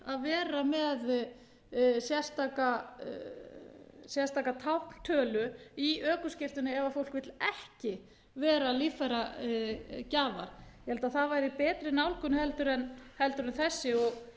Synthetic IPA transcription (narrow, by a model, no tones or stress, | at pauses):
aðvɛːɾamɛð | sjɛ̥st̪aːka | sjɛ̥st̪aːkat̪ʰawhkn̥t̪ʰœːlʏiœːkʏscɪft̪ʏnːɪɛvafowl̥kvɪt̪lɛhcɪ | vɛːɾalifaɾa | caːva̰ɾ̥jɛhɛlt̪aðθaðvajɾɪipɛːt̪ɾɪnaːwlkʏnʏhɛlt̪ʏɾɛnhɛlt̪ʏɾɛnθɛsːɪɔɣ